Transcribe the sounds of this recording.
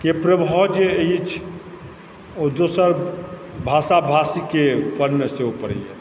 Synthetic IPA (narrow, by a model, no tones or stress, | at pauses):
kepɾəbʱɔd͡ʒeit͡ʃʰ | od̪osəɾbʱasabʱasikepənːəseupəɾə̰jḛ